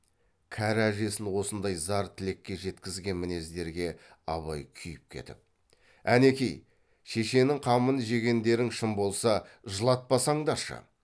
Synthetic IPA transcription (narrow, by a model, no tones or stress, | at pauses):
kʲʰæɾæʒe̞sɪnwo̞sənd̪ɑjzɑɾt̪ʰɪle̞kʲːe̞ʒe̞t̪kʲɪzɡʲe̞nmɪne̞zd̪e̞ɾɡʲe̞ | ɑ̰βɑjkʲʰʏjɪp̚kʲʰe̞̰t̪ɪ̰p̚ | æne̞kʲej | ʃe̞ʃe̞nɪŋqʰɑmənəʒe̞ɡʲe̞nd̪e̞ɾɪnʃɪmbo̞lˠsɑ | ʒəlˠɑt̪̚pɑsɑɴd̪ɑʃə̰